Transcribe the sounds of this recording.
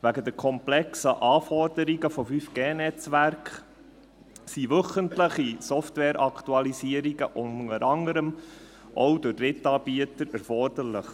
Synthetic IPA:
væɡəd̪ɛɾkʰɔmplɛksəʔɑːfɔrdəɾiɡəfɔfyfɡ̥eːnɛt͡sʋæɾkχ | siʋɵχəntləχisɔftwɛːɾʔɑktuɑlisiəɾiɡəʔʊnəɾɑŋəɾəm | ʔɔʊdʊrɪtːɑːb̥iətəɾæɾfɔrd̥əɾləχ

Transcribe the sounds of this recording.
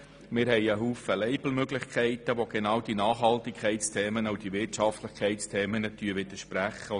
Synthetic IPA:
mɪːɾɦhɛɪəɦuːfəlɛɪbl̩møɡlɪχkʰɛɪt̪əʋoɡ̥enɑːwd̥inɑːχhɑlt̪ikʰɛɪtt͡st̪ʰeːmənɑʊd̥iʋɪtʃɑft̪lɪχkʰɛɪtt͡stʰɛːmənət̪yːəʋɪd̪əʃpɾæχə

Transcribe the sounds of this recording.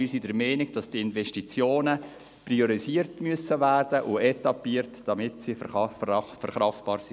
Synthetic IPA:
isidəɾmɛːnɪɡd̥ɑstɪnvɛʃtit͡sjoːnə | prioɾisiːəɾtmyəsəvæːrd̥əʔʊɛtɑpiːəɾtd̥ɑmɪtsi | fɛɾχɾɑftb̥ɑːɾsi

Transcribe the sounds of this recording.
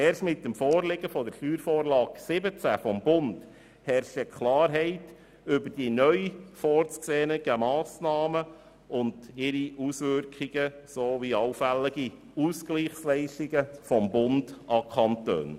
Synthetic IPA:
ɛːɾstmɪt̚ːəmfɔːɾlɪɡəfɔd̪əɾʃtyːɾfoːɾlɑːɡsɪbət͡sæfɔmbʊnd | hɛɾʃəkʰlɑːɾɦɛɪt | ʏbəɾd̥inœʏfɔːɾt͡skseːnəɡ̥əmɑːsnɑːmə | ʊndɪɾiusʋʏɾkʰiɡ̥ə | soʋiɑwfælːɪɡi | uskliːχslɛɪʃtiɡəfɔmbʊndɑkʰɑntø̰ːn

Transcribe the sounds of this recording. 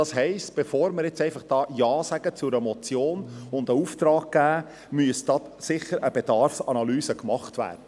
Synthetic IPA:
dɑsɦɛɪstb̥efoːɾməɾjɛt͡sɛɪfɑχd̥ɑːjɑːsæɡ̥ət͡sʊɾəmɔt͡sjoːnʊnd̪əuft̪ɾɑːɡ̚ɡ̥æː | myəsd̥ɑsɪχəɾʔəbed̥ɑɾfsɑnɑlyːsəkmɑχtvæ̰ːɾd̥ə

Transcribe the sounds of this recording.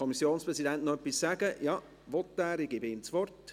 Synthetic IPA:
ɔmisjoːnspʁɛsidɛntnoœpːissæɡəjɑ | ʋɔt̪ːæːɾɪɡ̥ibəɪmt͡sʋɔrt

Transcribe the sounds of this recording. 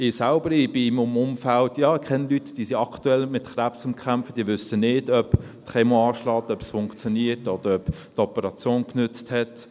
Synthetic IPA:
ɪsalbəɾɪbɪmʊmʊmfaltjɑːkʰχɛnəlytd̥iːsiɑktuɛlmɪtχɾæpsʊmkʰχæmfəd̥iːəʋʏsənɪːdœp | tχɛmoɑːʃlɑːtœpsfʊŋkt͡sjoɔniətɔd̪̥əɾœp | tɔpəɾɑt͡sjoːnknʏt͡sthɛt

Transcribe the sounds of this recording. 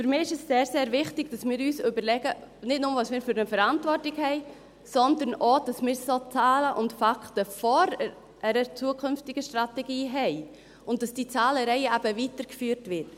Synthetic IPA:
fyɾmiːɪʃɛsseːɾseːɾvɪχtɪɡd̥ɑsmɪːɾyːsʏbəɾlɛɡənɪtnʊmvɑːsmɪːɾfʏɾnəfəɾɑntvɔrtɪɡhɛɪ | sɔndənod̥ɑsmɪːɾsot͡sɑːləʔʊntfɑktəfɔɾ | ʔəɾət͡suəkʰʏnftɪɡəʃtrɑtɛɡiːɦɛɪ | ʊnt̚d̥ɑsd̥iːt͡sɑːləɾɛɪəæb̥əvitəɾkfyːɾtʋɪt

